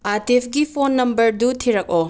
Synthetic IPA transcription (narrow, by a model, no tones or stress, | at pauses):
aɾtipʰɡipʰonːɐmbɐɾdutʰiɾɐk̚o